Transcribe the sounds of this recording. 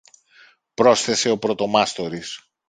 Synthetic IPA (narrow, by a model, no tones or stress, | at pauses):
pɾo̞sθe̞se̞o̞pɾo̞t̪o̞mɐst̪o̞ɾis